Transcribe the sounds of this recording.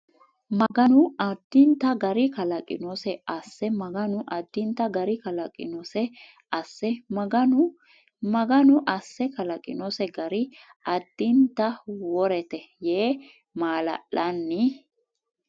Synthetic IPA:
mɐɡɐnʊɐd̪̥ːɪnt̪ɐɡɐɾɪkɐlɐkʼɪ̰nɔsɛɐsːɛmɐɡɐnʊʔɐd̪̥ːɪnt̪ɐɡɐɾɪkɐlɐkʼɪ̰nɔsɛ | ɐsːɛmɐɡɐnʊ | mɐɡɐnʊʔɐsːɛkɐlɐkʼɪ̰nɔsɛɡɐɾɪ | ɐd̪̥ːɪnt̪ːɐwɔɾɛt̪ɛjeː | maːlɐ̰ʔːɐnːɪ

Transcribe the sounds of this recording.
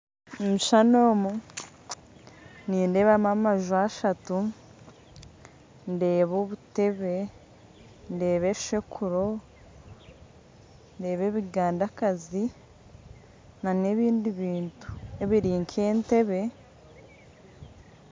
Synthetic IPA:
miʃanoːmu | niːnde̞βamamaʒuaʃatu | nde̞ːβoːβute̞βe̞ | nde̞ːβe̞ʃekʰuɾo | nde̞ːβe̞βiɡaːndakazi | nane̞βiːndiβiːntu̥e̞βiɾiːŋkʰe̞ːnte̞βe̞

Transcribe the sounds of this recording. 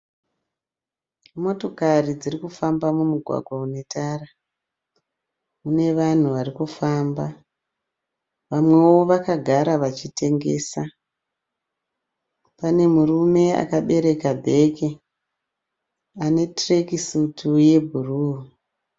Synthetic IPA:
mo̞to̞karid͡zirikufambamumuɡʱwa̰ɡʱwaune̞tʰara | une̞ʋan̤uʋarikufaːmba | ʋamwe̞wo̞ʋakaɡʱaɾaʋat͡ʃite̞ŋɡe̞ːsa | pane̞murume̞a̰kaɓe̞ɾe̞kabʱe̞ke | ane̞trekisutʰuje̞bʱuruːu

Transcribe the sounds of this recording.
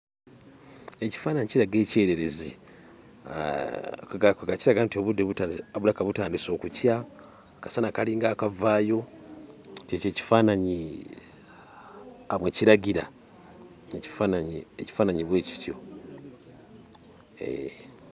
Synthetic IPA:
e̞ci̥faːnaɲiciɾaɡe̞ːce̞ːɾe̞ɾe̞zi | ɡakɡaciɾaɡantio̞βudːe̞βutaβulakaβutaːndiso̞ːkucja | kḁsanakaliːŋɡaːkavaːjo̞ | cece̞ːci̥faːnaɲi | amweciɾaɟiɾa | eci̥fanaɲiḛci̥faːnaɲiβwe̞ːci̥tjo̞̰ | ḛ

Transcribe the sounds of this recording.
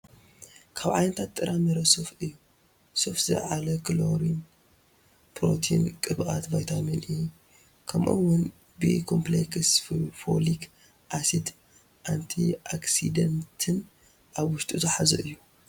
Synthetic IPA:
kʰaβʕajnɐt̪ʰat̪ːʼɨɾʔamɐɾɐsofɨjːu | sofzɨ̰ʕalɐkʰloɾin | pʰɾo̰t̪ʰḭnkʼɨβʔʼa̰t̪bajt̪ʰaminɨju | kʰɐmʔo̰wːʊn | bɨkʰompleksfo̰lik | ʔasid̪ | ʔant̪ʰiʔaksid̪ɐnt̪ʰɨn | ʔaβwʊʃt̪ʼuzɨħazɐ̰ʔɨjːu

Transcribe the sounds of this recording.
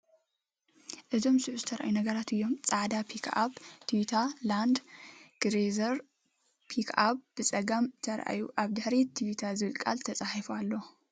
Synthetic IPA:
ʔɨzo̞msɨʕuzɨt̪ʰɐɾʔa̰junɐɡɐɾat̪ɨjːo̞mt͡sʼaʕd̪apʰikʰa̰bt̪ʰijut̪ʰaland̪ɡ̥ɾezɐɾ | pʰikʰabb̥ɨt͡sʼɐɡamt̪ʰɐɾʔa̰juʔaβd̪ɨħɾit̪ʰijut̪ʰazɨβɨlkʼa̰lt̪ʰɐt͡sʼaħifalːo̞

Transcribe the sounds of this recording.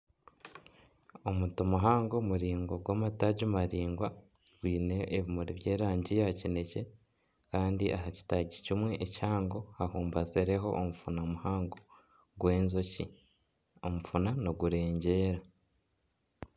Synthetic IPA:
omutomuɦaːŋɡomuɾiːŋɡoɡwaːmataɟumaɾiːŋɡwa | ɡwiːne̞ːβimuɾiβje̞ːɾaːɲɟijacine̞ce̞ | kaːndiʔaɦaci̥taɟicimweʔːcaːŋɡo̞hahuːmbazeɾe̞ɦo̞ʔːmufunamuhaːŋɡo | ɡwe̞ːnzocḭ | omufunanoɡuɾe̞ːɲɟe̞ːɾa

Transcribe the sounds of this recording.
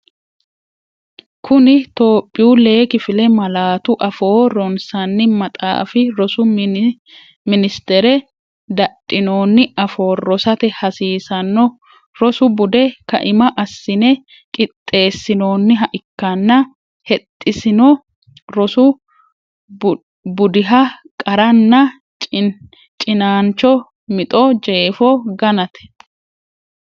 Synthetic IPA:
kʰʊnɪt̪o̞ːpʼːɪjuːle̞ːkɪfɪlɛmɐlaːt̪ʊʔɐfo̞ːɾɔnsɐnːɪmɐt̪ʼa̰ːfɪɾɔsʊ | mɪnɪst̪ɛɾɛ | d̪ɐtʼːɪno̞ːnːɪɐfo̞ːrɔsɐt̪ɛhɐsiːsɐnːɔ | ɾɔsʊbʊd̪ɛkɐ̰ʔɪmɐʔɐsːɪnɛ | kʼɪt̪ʼːe̞ːsːɪno̞ːnːɪɦɐʔɪkːɐnːɐ | hɛt̪ʼːɪsɪnɔ | ɾɔsʊ | bʊd̪ɪɦɐkʼɐɾɐnːɐ | t͡ʃʼ | t͡ʃʼɪnaːnt͡ʃːɔ | mɪt̪ʼɔd͡ʒe̞ːfɔɡɐnɐt̪ɛ̥

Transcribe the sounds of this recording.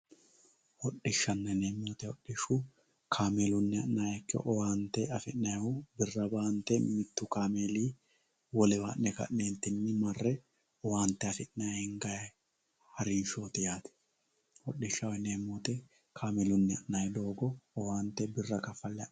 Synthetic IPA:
hɔɗɪʃːɐnːɛneːmːuːt̪ɛɔɗːɪʃʊ | kʰaːmelʊnːɪɐʔnaːjɐkːɪ̰ʔɔwaːnt̪ːɛɐfɪʔnɐjʊbɪrːɐbaːnt̪ːɛmɪt̪ːʊkaːmeːliː | wɔlɛba̰ːnnɛkɐ̰ʔneːnt̪ːɪnːɪmɐrːɛ | ɔwaːnt̪ːɛɐfɪʔnɐhɪŋɡɐj | hɐɾɪnʃoːt̪ɛjaːt̪ɛ̥ | hɔɗːɪʃːɐwɛneːmːuːt̪ɛ | kʰaːmɛlʊnːɪɐ̰ʔnajɛd̪o̞ːɡɔɔwaːnt̪ːɛbɪrːɐkɐfːɐlːɛ

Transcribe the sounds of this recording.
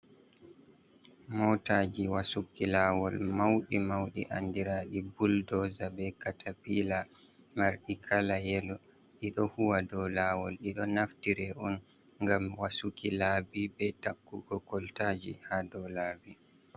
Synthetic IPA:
mɔwtaːd͡ʒiwasukilaːwɔlmawɗimawɗḭʔa̰ndiɾaːɗibuldɔzabɛkatʰapila | maɾɗikʰalajɛlɔ | ɗiɗɔhuwadɔlaːwɔlɗiɗɔnaftiɾɛʔɔn | ŋɡamwasukilaːbibɛtakːuɡɔkɔltaːd͡ʒihadɔlaːbi

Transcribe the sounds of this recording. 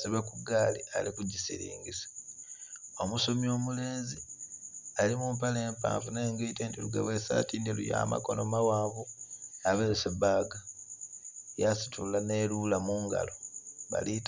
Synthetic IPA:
siβekuɡaːlia̰likuɟisḭɾḭːŋɡisḁ | omuso̞mio̞ːmule̞ːnzi | alimumpaleːmpa̰ːɱfune̞ːŋɡeiteːntiluɡa̰βwesa̰tiːndiluja̰ːma̰ko̞no̞mawaːβuaβesebaːɡa | jasi̥tʰulane̞lulamuːŋɡa̰loβa̰lit

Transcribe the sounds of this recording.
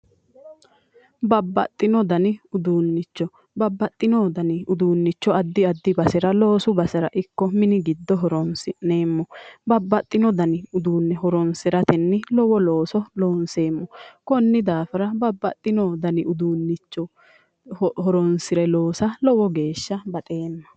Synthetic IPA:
bɐbːɐt̪ʼːɪnɔd̪ɐnɪʊd̪uːnːɪt͡ʃːɔ | bɐbːɐt̪ʼːɪnoːd̪ɐnɪʊd̪uːnːɪt͡ʃːɔɐd̪ːɪɐd̪ːɪbɐsɛɾɐlo̞ːsʊbɐsɛɾɐ̰ʔɪkːɔmɪnɪɡɪd̪ːɔɦɔɾɔnsɪʔne̞ːmːɔbɐbːɐt̪ʼːɪnɔd̪ɐnɪʊd̪uːnːɛɦɔɾɔnsɪɾɐt̪ɛnːɪlɔwɔlo̞ːsɔloːnse̞ːmːɔkɔnːɪd̪aːfɪɾɐbɐbːɐt̪ʼːɪnoːd̪ɐnɪʊd̪uːnːɪt͡ʃːɔ | hɔɾɔnsɪɾɛlo̞ːsɐlɔwɔɡe̞ːʃːɐbɐt̪ʼe̞ːnːɐ

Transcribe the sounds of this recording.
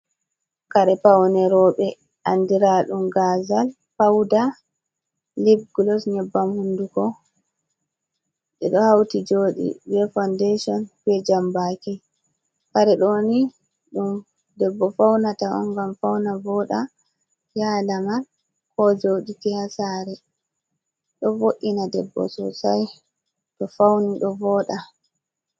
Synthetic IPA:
kaɾɛpawnɛɾɔɓɛ | ʔandiɾaɗumɡazal | pawda | libɡlɔsɲɛbːamhundukɔ | ɗɛ̰ɗɔhawtid͡ʒoːɗḭbɛfandeʃɔnpɛd͡ʒambaki | faɾɛɗoni | ɗum | dɛbːɔfawnataɔ̰ŋɡamfawnavɔɗa | jalaman | kɔd͡ʒowɗitihasaɾɛ | ɗɔvoʔinadɛ̰bːɔ̰sɔ̰saj | tɔfawniɗɔvɔːɗa

